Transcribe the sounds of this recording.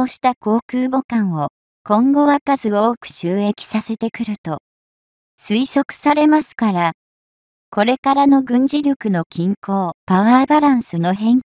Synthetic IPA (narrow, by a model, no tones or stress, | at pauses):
oːɕi̥t̪ako̞ːkɯːbo̞kãɰ̃o̞ | kõ̞ŋɡo̞βakazɨoːkɯ̟̥ɕɨːe̞kʲi̥sase̞t̪e̞kɯ̟ɾɯ̟t̪o̞ | sɨiso̞kɯ̟̥saɾe̞masɨ̥kaɾa | ko̞ɾe̞kaɾano̞ɡɯ̟̃ɲ̟d͡ʑiɾʲo̞kɯ̟no̞kʲĩŋko̞ːpaβaːbaɾãɰ̃sɨno̞ɦẽ̞ŋ